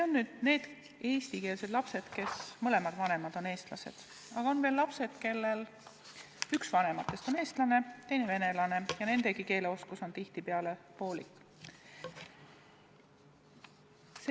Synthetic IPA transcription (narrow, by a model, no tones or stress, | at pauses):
eo̞nːyːd̪̥ne̞ːd̪̥ | eːst̪ike̞ːlse̞d̪̥lɑpse̞d̪̥ke̞smɤle̞mɑd̪̥vɑne̞mɑd̪̥o̞ne̞ːst̪lɑse̞̰d̪̥ | ɑɡ̥ɑo̞nveːlːɑpse̞d̪̥ke̞lːe̞l | yksvɑne̞mɑt̪ːˑe̞st̪o̞ne̞ːst̪lɑne̞t̪e̞jne̞ve̞ne̞lɑne̞jɑne̞nd̪e̞ɡike̞ːleo̞skuso̞nt̪iht̪ipeɑle̞po̞ːlḭkːˑ | s